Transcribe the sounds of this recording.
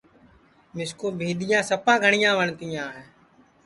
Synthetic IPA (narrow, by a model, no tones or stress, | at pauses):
mɪskoːbʱeːɗ̪ɪjãːsəpãːɡʱəɳɪjãːʋəɳt̪ijãːɦeː